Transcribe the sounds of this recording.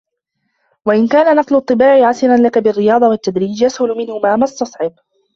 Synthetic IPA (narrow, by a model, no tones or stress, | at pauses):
waʔɪnkaːnanɑqlʊt̪ˤːɨbaːʕɪʕasɪnanlakabɪrːɪjɑːd̪ˤɑwat̪ːad̪ɾiːd͡ʒjashʊlʊmɪnhʊmaːmast̪ɑsˤʕɪb